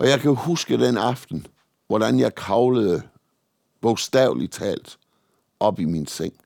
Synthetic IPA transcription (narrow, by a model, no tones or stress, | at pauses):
ʔɒ̽jɑ̈ɪkʰæhusɡ̥əd̥enɑ̈fd̥n̩ | ʋɒd̥ænjɑ̈ɪkʰɑ̈ʊləð̩ˠə | b̥ɔɡ̥sd̥ɛʊlit͡sʰɛ̰ːld̥ | ʔɒ̽b̥iminseŋ̰